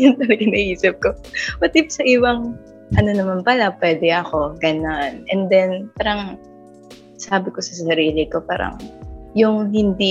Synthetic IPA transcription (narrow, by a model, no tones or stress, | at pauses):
jɐnt̪ɐnɐɡɪnɐʔiːsɐp̚kowɐt̪ipsɐʔiwɐŋ | ʔɐno̞nɐmanpɐlapwɛːd̪ɛʔɐko̞ɡɐnanʔɛnd̪ɛnpaːɾɐŋ | saːbɪko̞sɐsɐɾiːlɪko̞paːɾɐ̰ŋjʊŋɦɪnd̪i